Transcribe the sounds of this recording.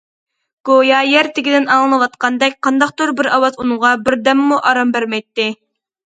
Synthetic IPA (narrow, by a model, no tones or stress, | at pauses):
ɡ̥ojɑjɛɾt̪ʰɪɡʲid̪ɪnɑlˠɨnɨwɑt̪qɑnd̪ɛkʲqʰɑnd̪ɑqt̪oɾbɪɾɑwɑzunɨŋʁɑbɪɾd̪ɛmːuʔɑɾɑmbæɾmɛjt̪ːɪ